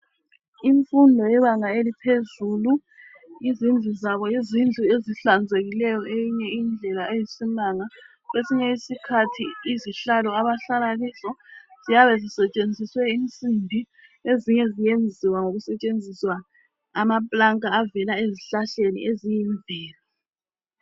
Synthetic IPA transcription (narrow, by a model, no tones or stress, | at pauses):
iɱfundʱɔjɛβaŋaelipʰezuːlu | izind͡ɮʱizaβɔjizind͡ɮʱueziɬand͡zʱeɣilɛjɔʔejiɲɛind͡ɮʱɛlaejisinaŋa | ɣwesiɲɛisikʰatʰiiziɬalɔaβaɬalaɣiːzɔz̥ijaβɛzisɛt͡ʃʼend͡zʱiswɛint͡sʼimbʱi | eziɲɛzijend͡zʱiwaŋoɣusɛt͡ʃʼend͡zʱiswa | amapʼlaŋkʼaːvɛlaeziɬaɬenḭʔezijiɱvɛːla